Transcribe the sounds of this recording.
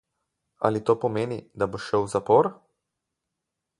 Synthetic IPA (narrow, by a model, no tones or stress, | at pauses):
a̰lit̪oːpɔmeːnid̪aboʃɛwzapɔːɾ